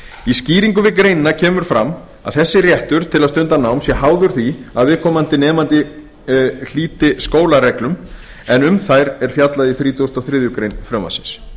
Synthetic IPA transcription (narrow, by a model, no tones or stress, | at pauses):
isciːɾiŋkʏvɪkɾeːjnɪnacʰɛːmʏɾ̥fɾamː | a̰ðθɛsːɪrjɛht̪ʏɾ̥t̪ʰɪlaðst̪ʏnt̪anawmsjɛɦaːwðʏɾ̥θiaðvɪːðkʰɔːmant̪ɪnɛːmant̪ɪ | l̥iːt̪ɪskoːwlaɾɛklʏm | ɛnʏmθajɾɛɾ̥fjat̪laðiθɾiːt̪ust̪ɔθɾɪðjʏkɾejnfɾœma̰sɪ̥ns